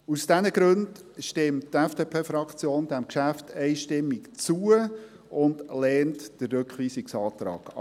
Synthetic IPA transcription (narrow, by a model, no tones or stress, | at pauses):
usd̥ɛnəɡɾɵndʃtɪmttːɛfd̥eːpʰeːfɾɑkt͡sjoːnd̥æmkʃæftʰɛɪʃtɪmːɪkt͡suə | ʊndlɛːntd̥əɾːɵkχʋiːsɪksɑːtɾɑ̰ːɡ̥ɑ̰